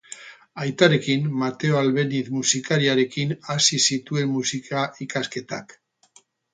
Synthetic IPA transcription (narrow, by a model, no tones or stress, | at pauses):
ajt̪aɾe̞kimmat̪e̞oalβe̞niθmusikaɾiaɾe̞kinasisit̪ue̞mːusikʰaikaske̞t̪a̰k